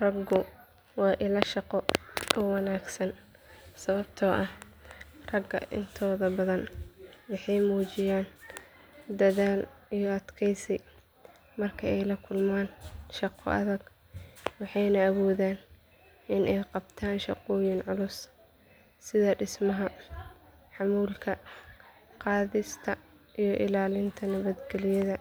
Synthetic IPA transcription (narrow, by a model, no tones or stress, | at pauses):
rɐɡʊ | wɑːʔɪlɐʃɑqɔʔɔwɑnaːɡsɐn | sɐβɐbt̪ʰɔːʔɐh | rɐɡɐ̰ʔɪ̰nt̪ʰɔːðɐbɐðɐnwɑħɑjmuːt͡ʃɪjaːn | d̪ɐðaːlijɔɐd̪kʰɛjsɛj | mɐrkʰɐɛjlɐkʰʊlmaːnʃɑqʰɔ̰ʔɐ̰ðɐɡ | wɑħɑjnɐːwɔːðaːn | ɪnʔɛjqɑbt̪ʰaːnʃɑqɔːjɪnʕʊlʊs | sɪðɐɖɪsmɐɦɐ | ħɑmuːlkʰɐ | qɑːðɪst̪ʰɐ | ʔijɞʔɪlaːlɪnt̪ʰɐnɐβɐd̪ɡɛlɪjɐðɐ